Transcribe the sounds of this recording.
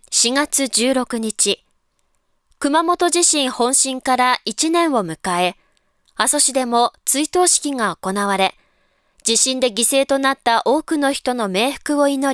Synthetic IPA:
ɕiŋat͡sɨd͡ʑɨːɾo̞kɯ̟ɲ̟it͡ɕi | kɯ̟mamo̞t̪o̞ʑiɕĩɰ̃hõ̞ɰ̃ɕĩŋkaɾait͡ɕinẽ̞ɰ̃o̞mɯ̟kae̞ | aso̞ɕid̪e̞mo̞t͡sɨit̪o̞ːɕi̥kʲiŋaoko̞naβ̞aɾe̞ | d͡ʑiɕĩnd̪e̞ɡʲise̞ːt̪o̞nat̪ːaʔo̞ːkɯ̟no̞çi̥t̪o̞no̞me̞ːɸɯ̥kɯ̟o̞ino̞

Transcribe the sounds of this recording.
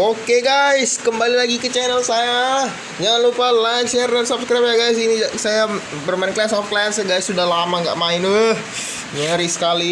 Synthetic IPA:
okeɡajskəmbalilaɡikət͡ʃɛnəlsaja | d͡ʒaŋanlupalajkʃɛrdansabskɾajp̚ɲaɡajsinisaja | bərmannklɛsɔfklɛnsɡajsːudahlamaŋɡa̰ʔmaɪndəh | ɲəɾisə̥kali

